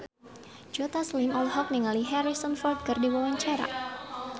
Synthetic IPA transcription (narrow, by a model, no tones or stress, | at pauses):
d͡ʒot̪aslimɔlɦɔk̚niŋaliɦɛɾisɔnfɔrd̪̚kɨrdiwɔlaɲt͡ʃaɾa̰